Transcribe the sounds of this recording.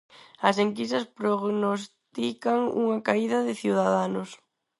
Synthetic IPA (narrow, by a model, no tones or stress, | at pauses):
ɐs̬eŋkisɐspɾoɣnost̪ikaŋṵŋɐkaiðɐðɪθiwðaðanʊs